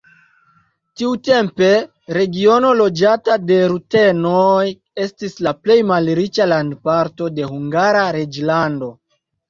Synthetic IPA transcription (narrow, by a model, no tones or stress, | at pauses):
tiute̞mpe̞ | ɾe̞ɡio̞no̞lo̞d͡ʒatade̞ɾute̞noj | e̞stislaple̞jmalɾit͡ʃalandpaɾto̞de̞huŋɡaɾaɾed͡ʒlando̞